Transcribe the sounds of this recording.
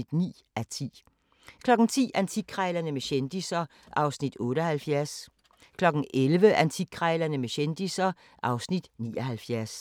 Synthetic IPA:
id̥nḭː | ʔæt͡sʰḭː | kʰlɒ̽ɡ̥n̩t͡sʰḭːʔænt͡sʰiɡ̥̚kʰʁɑɪlɐnəmeɕend̥isɐ | ʔɑ̈ʊsnid̥ɔ̽ːɾəɒhælfjæɐs | kʰlɒ̽ɡ̥n̩elʋəʔænt͡sʰiɡ̥̚kʰʁɑɪlɐnəmeɕend̥isɐ | ʔɑ̈ʊsnid̥nḭːɒɦælfjæɐs

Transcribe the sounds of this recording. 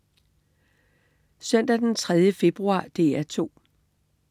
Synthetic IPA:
sœn̰d̥æd̥ent͡sʰʁɛð̞ˠjəfe̝b̥ʁuɑ̰̈ːd̥e̝̰ːæt͡sʰo̝̰ː

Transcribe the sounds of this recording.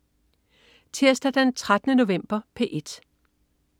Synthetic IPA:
t͡sʰeɐ̰sd̥æd̥ænt͡sʰʁad̥ənəno̝ʋem̰b̥ɐpʰe̝ʔe̝d̥

